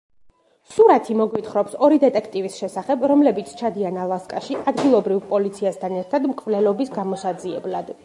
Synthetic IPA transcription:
suɾat̪ʰimɔɡwit̪χɾɔpsɔɾid̪ɛt̪ʼɛkʰt̪ʼivisʃɛsaχɛbɾɔmlɛbit̪sʰt͡ʃʰad̪ianalˠaskʼaʃiʔad̪ɡilˠɔbɾivpʼɔlit̪sʰiast̪ʰanɛɾt̪ʰad̪mkʼvlɛlɔbisɡamɔsad̪ziɛ̰blad̪

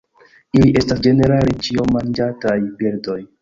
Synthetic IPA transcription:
iliʔe̞stasd͡ʒe̞ne̞ɾalet͡ʃiomand͡ʒatajpiɾdo̞j

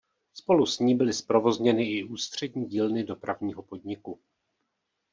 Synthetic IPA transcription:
spo̞lusɲiːbɪlɪspɾo̞vo̞zɲɛnɪʔɪuːst̪r̝̥ɛdɲiːɟiːlnɪdo̞pɾavɲiːɦo̞po̞dɲɪku

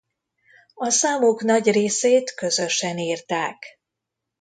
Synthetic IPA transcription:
ɒsaːmuknɒɟreːseːt̪kø̞zø̞ʃɛniːrt̪aːk

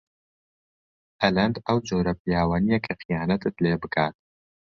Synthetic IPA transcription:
hɐlɐnd̪ɐwd͡ʒoːɾɐpijaːwaːnijɐkʰɐxijaːnɐt̪ɨt̪leːbɨkʰaːt̪̚

